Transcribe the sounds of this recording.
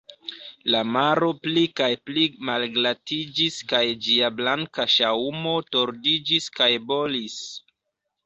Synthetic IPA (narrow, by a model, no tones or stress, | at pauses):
lamaɾo̞plikajplimalɡlatid͡ʒiskajd͡ʒiablaŋkaʃaumo̞to̞ɾdid͡ʒiskajbo̞lis